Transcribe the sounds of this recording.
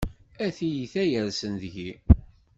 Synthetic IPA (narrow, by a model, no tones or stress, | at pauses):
æθijiθæjəɾsənðʝi